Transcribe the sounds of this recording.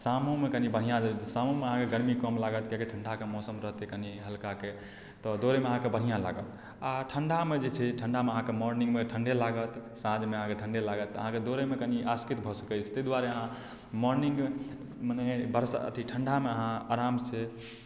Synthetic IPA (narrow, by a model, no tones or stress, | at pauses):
samõmekənibəɽ̤ijãd͡ʒesamõmeəɦãkeɡəɾmikəmlaɡət̪kakeʈʰəɳɖʱakemɔsəmɾəɦt̪ekəniɦəlkake | t̪ɔd̪oɾemeəɦãkebəɽ̤ijãla̰ɡət̪ | aʈʰəɳɖʱamed͡ʒet͡ʃʰɛʈʰəɳɖʱameəɦãkemɔɾnĩŋɡmeʈʰəɳɖelaɡət̪sãd͡ʒmeəɦãkeʈʰəɳɖelaɡət̪ːəɦãked̪oɾemekəniʔaskit̪bʱɔsə̥kɛt͡ʃʰɛ̥t̪əd̪waɾeəɦã | mɔɾniŋɡ | mənɛbəɾsa̰ə̰t̪ʰiʈʰəɳɖʱameəɦãa̰ɾamt͡ʃʰɛ